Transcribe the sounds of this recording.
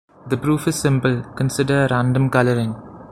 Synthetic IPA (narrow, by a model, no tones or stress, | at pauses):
d̪əpɾuːfɪz̥sɪ̃mpəlkə̃nsɪɖəɾãːɳɖə̃mkʌləɾɪ̃ŋ